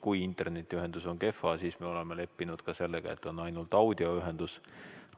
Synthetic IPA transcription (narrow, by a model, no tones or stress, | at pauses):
kujint̪ːˑe̞rne̞t̪ːˑiyɦend̪̥uso̞nke̞fːɑsiːsmeo̞lemele̞pːinud̪̥kɑse̞lːeɡɑ̰e̞t̪ːˑo̞nːɑjnult̪ˑɑwd̪̥io̞yɦe̞nd̪̥us